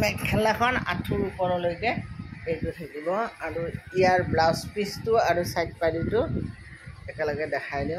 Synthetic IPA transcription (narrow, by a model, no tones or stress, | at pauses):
mɛkʰɛlaxʰɔna̰tʰʊɹupɔɹɔlojkɛejtʊtʰakibɔaɹuijaɹblawspistʊaɹusajt̚paditʊ | ɛkɛlɔɡɛdɛkʰajdĩ